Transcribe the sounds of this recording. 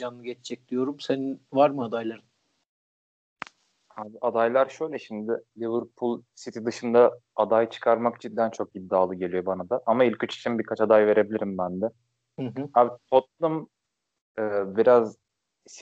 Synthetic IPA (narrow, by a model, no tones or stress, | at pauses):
d͡ʒanːˠɯɟɛt͡ʃt͡ʃʰɛc̚lʲijo̞ɾumseninvaɾmɯad̪ajlˠaɾɯn | haːbiʔad̪ajlˠaɾʃø̞jlʲɛʃimd̪ɪlʲivɯɾpʰulˠsit̪ʰid̪ɯʃɯnd̪aad̪ajt͡ʃʰɯ̥kʰaɾmakt͡ʃʰid̪ːænt͡ʃʰo̞k̚id̪ːaːlˠɯɟe̞lʲijo̞banad̪aʔamailʲcyt͡ʃi̥t͡ʃʰimbiɾkʰat͡ʃad̪ajve̞ɾe̞bilʲiɾimbænd̪ɛ | h̩ɦabit̪ʰot̪̚lˠum | ɯːbiɾaz | s